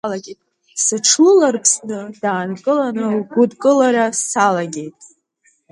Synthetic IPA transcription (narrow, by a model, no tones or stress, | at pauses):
laɡʲetʼ | sɨʈ͡ʂʰlɨlarpʰsnɨd̥aːnkʼɨlanɨlɡʷʊdkʼɨlarasalaɡʲe̞jtʼ